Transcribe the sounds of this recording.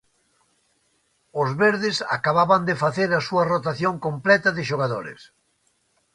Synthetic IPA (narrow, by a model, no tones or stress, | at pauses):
ʊzβeɾðɪsa̰kaβaβand̪efaθeɾɐsuɐrot̪aθjoŋkomplɛt̪ɐðɪʃoɣaðoɾɪ̰s